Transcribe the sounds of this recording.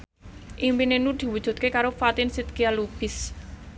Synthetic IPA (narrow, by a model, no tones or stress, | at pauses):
ʔimpinenud̪̥i̤wud̥ʒ̥ṳd̪̚kekaɾofat̪ɪnsit̪̚kialub̥ɪs